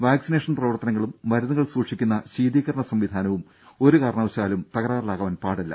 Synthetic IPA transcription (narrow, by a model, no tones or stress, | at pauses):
ʋaːksineʂɐnprɐʋɐrt̪ɐnɐŋːɐɭumʋɐɾuðɐɣɐɭsuːʂikʲːun̪ːɐɕiːd̪iːɣɐɾɐɳɐsɐmʋid̪ʱaːnɐʋum | o̞ɾukaːɾɐɳɐʋɐɕaːlumt̪ɐɣɐɾaːɾlaːɣɐʋɐnpaːɽilːɐ̰